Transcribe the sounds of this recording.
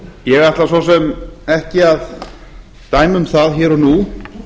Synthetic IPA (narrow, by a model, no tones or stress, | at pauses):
jɛɣaht̪lasvɔsɛmɛhcɪað | t̪aːjmʏmθaðçɛːɾɔnu